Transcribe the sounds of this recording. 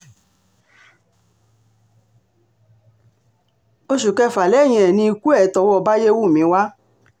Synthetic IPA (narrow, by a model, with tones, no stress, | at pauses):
o˧ʃu˨kɛ˧fa˨lɛ˨˦˨j̃ĩ˧ɛ˨nĩ˧i˧ku˦ɛ˦˨˦tɔ˧˨wɔ˦˧ba˦je˦wu˦˨mĩ˨˦wa˦